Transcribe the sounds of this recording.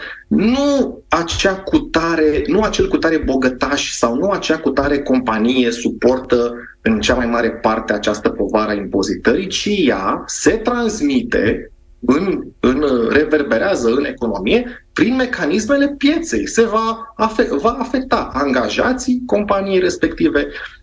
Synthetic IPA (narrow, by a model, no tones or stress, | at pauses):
nu | at͡ʃakut̪aɾe̞nuat͡ʃe̞lkut̪aɾe̞bo̞ɡət̪aʃʲsawnuat͡ʃeakut̪aɾe̞ko̞mpanije̞supo̞rt̪ə | ɨnt͡ʃamajmaɾe̞part̪eat͡ʃast̪əpo̞vaɾəaimpo̞zit̪əɾit͡ʃijase̞t̪ɾansmit̪e̞̰ | ɨnɨnre̞ve̞rbe̞ɾeazəɨne̞ko̞no̞mije̞pɾinme̞kanisme̞le̞pje̞t̪se̞̰jse̞vaːfevaːfe̞k̚t̪aʔaŋɡaʒat̪sijko̞mpanijejɾe̞spe̞kt̪ive̞